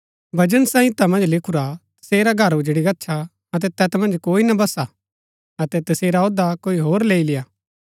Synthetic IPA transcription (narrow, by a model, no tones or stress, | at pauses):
bɐd͡ʒənsãːĩt̪ɐmɐ̃nd͡ʒlɪkʰuɾat̪ɐ̥seːɾaɡʱɐɾʊd͡ʒɽiɡɐtːʃʰa | ɐt̪̬ɛt̪ɛːt̪mɐ̃nd͡ʒkoːinɐbɐsa | ɐt̪ɛt̪ɐseːɾaoːd̪akoːiɦoːɾleːilɪjaː